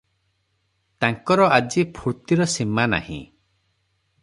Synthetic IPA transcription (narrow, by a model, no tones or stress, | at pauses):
t̪aŋkɔɾɔad͡ʒipʰuɾt̪iɾɔsimana̰hḭ̃